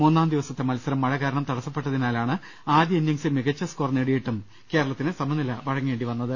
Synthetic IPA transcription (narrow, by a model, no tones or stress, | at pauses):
munːaːmd̪iʋɐsɐt̪ːe̞mɐlɐsɐɾɐmːɐɻɐɣaːɾɐɳɐmt̪ɐɽɐsːɐpːeʈːɐðinaːlaːɳɨ | aːd̪jɐenjɐŋsimiɡɐt͡ɕːɐskorneɽijiʈːum | ke̞ːɾɐɭɐt̪ːinɨsɐmɐnːilɐʋɐɻɐŋːʋe̞ːɳɖiʋɐnːɐðɨ